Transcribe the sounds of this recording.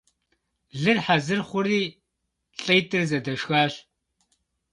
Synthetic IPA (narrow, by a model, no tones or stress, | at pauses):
ɮɨrħazɨrχʷʊɾiː | ɬʼɐjtʼɨrzɐdɐʃxaːɬ